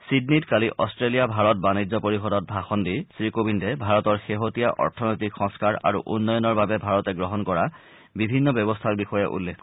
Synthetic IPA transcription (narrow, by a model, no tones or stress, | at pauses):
sidnitkaliʔɔstɹelijabʱaɹɔt̚banizɔpoɹixɔdɔt̚bʱaxɔndisɹikobindɛbʱaɹɔtɔɹxeɦotijaʔɔ̰ɹtʰɔnɔjtikxɔ̃ŋskaɹa̰ɹṵʔṵnːɔjɔnɔɹbabɛbʱaɹɔtɛɡɹɔɦɔnkɔɹa | bibʱinːɔbjɔbɔstʰaɹbixɔjɛʔṵlːekʰ